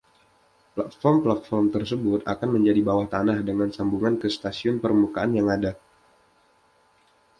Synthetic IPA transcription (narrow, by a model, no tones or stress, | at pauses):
plat̪̚fɔrmplat̪̚fɔrmt̪ərsəbʊt̪a̰kanməɲd͡ʒadibawaht̪anahdəŋansambuŋankəst̪asiʊnpərmukaʔanjaŋada